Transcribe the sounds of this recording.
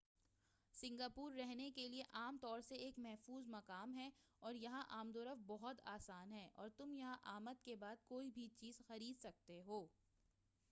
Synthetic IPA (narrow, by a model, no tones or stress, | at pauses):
sɪ̃ŋɡaːpuːɾːɛɦnekelieʔaːmt̪ɔːɾseeːkmɛɦfuːzmɐkaːmɦɛ | ɔːɾjɐɦãʔaːmd̪oːɾəfbɔɦʊt̪aːsaːnɦɛːʔɔ̰ːɾt̪ʊmjɐɦãʔaːmət̪̚kebaːd̪̚koːibʱit͡ʃiːzxɐɾiːd̪sɐk̚t̪eɦoː